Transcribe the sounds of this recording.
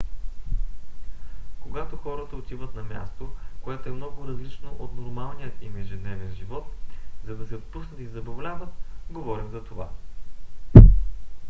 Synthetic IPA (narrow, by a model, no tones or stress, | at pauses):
koɡat̪oxɔɾət̪əot̪ivət̪nɐmʲja̰st̪okoɛt̪oɛmnɔɡʊɾɐzlit͡ʃnoʔot̪noɾmalˠnijət̪imɛʒɛd̪nɛvɛnʒivɔt̪zɐd̪ɐsɛot̪̚pusnət̪izɐbɐvlʲavət̪̚ɡovɔɾimzɐt̪ova̰